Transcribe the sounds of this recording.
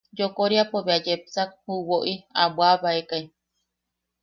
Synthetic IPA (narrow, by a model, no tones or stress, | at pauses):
d͡ʒokoɾiapoβead͡ʒepsak̚huwoʔiabwaβaekai